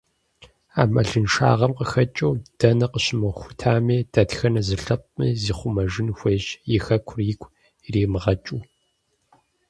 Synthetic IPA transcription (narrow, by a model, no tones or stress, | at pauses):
aːmɐɮɨnʃa̰ːʁɐmqəxɐt͡ʃʼɐwd̥ɐnɐqəɕɪmɐxʷʊ̥tʰaːmeːdʰɐtxɐnɐzɨɬɐp̚ʷʼmḭziːχʷʊmɐʒɪnxʷeːʑjɪxɐkʷʰʊrikʷʰʼ | riːmɨʁɐt͡ʃʼuː